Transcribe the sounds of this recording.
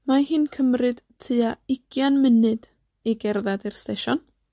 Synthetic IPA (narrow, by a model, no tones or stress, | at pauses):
mahɨnkʰəmrɨd̥tʰɨaɪɡ̥janmɪnɨd | iɡɛrðadirsteʃɔn